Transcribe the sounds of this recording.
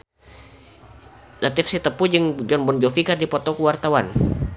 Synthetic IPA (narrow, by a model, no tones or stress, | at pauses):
nat̪ifsit̪əpud͡ʒəŋd͡ʒɔnbɔnd͡ʒofikardipɔt̪ɔkuwart̪awan